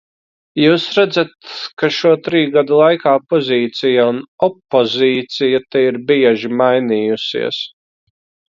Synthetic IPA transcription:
juːsɾæd̪zat̪kaʃuɔt̪ɾiːɡad̪ulˠajkaːpɔzʲiːt̪sijaunɔpːɔziːt̪sijat̪ɛiɾbiɛʒimajniːjusḭɛs

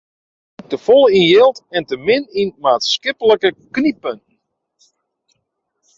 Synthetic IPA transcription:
təfɔlˠinjɪlˠtɛntəmɪninmaːtskɪpələkəknipənn̩

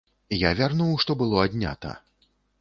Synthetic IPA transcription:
javʲarnuwʂt̪ɔbɨlˠɔad̪ʲnʲa̰t̪ɐ̰

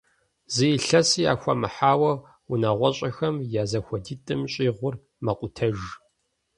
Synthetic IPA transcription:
zɨjɪɬɐsiːja̰ːxʷɐmɨħaːwɐ | unaːʁʷɔɕʼɐxɐmjaːzɐxʷɔdiːtʼɨmɕʼiːʁʷʊr | mɐqʷʼʊtʰɐʒ

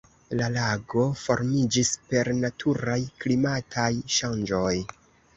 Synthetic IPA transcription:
lalaɡo̞fo̞ɾmid͡ʒispe̞ɾnatʰuɾajklimatʰajʃand͡ʒo̞j

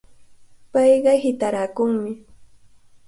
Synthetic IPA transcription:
pɑjɢɑhɪt̪aɾakʊŋmɪ

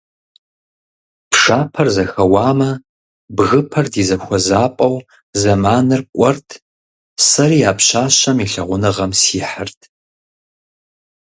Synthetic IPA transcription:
pʰʂaːpʰɐrzɐxɐwaːmɐ | bɣɨpʰɐrdiːzɐxʷɔzaːpʼɐw | zɐmaːnɨrkʷʼɔrtʰ | sɐɾiːaːpɕaːɕɐmiɬɐʁʷʊnɨʁɐmsiːħɨrtʰ

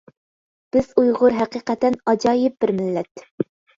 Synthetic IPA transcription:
b̥ɪz̥ujʁʊɾɦæqiːqɛt̪ɛnɑd͡ʒɑːjɪp̚bɪɾmɪlːɛt̪

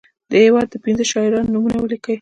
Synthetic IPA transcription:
d̪̥əhewɑd̪̚ːəpinzəʃɑɪɾɑnːumunawəlikəw

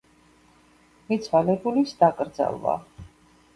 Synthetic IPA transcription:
mit̪sʰvalɛbulisd̪akʼɾd̪za̰lˠva̰

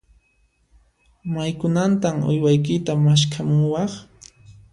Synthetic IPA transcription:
majkʊnant̪amʊ̰jwajk̬ɪt̪amaʃkʰamʊwɑχ

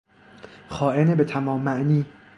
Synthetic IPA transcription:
xɒːʔe̞nebe̞t̪ʰæmɒːmːæʔniː

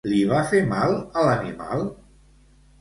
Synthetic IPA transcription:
liβ̞afemalˠələnima̰lˠ

